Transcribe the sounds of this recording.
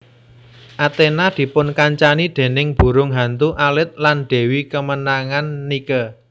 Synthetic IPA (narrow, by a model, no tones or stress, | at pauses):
ʔat̪enad̪̥i̤pʊnkaɲt͡ʃanid̪̥e̤nɪŋb̥ṳɾʊŋɦant̪uʔalɪt̪̚lanɖ̪̥e̤wikəmənaŋanːikə